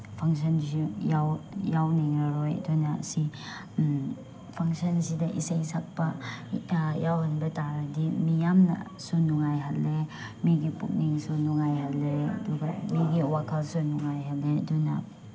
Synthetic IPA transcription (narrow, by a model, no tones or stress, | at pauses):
pʰaŋs̬ɔns̬ujawjawniŋɾɐɾɔjɐ̰dunasi | pʰaŋsɐnsidɐʔiseŋsak̚pɐ | jawhanbɐtaɾɐdimijamna̰ | sunuŋajɦalːe | miɡipuk̚niŋsunuŋajɦalːeɐ̰duɡamiɡiwakʰalsunuŋajɦalːeduna̰